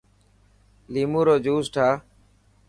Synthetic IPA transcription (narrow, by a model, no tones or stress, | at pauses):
liːmũːɾoːd͡ʒuːsʈʰaː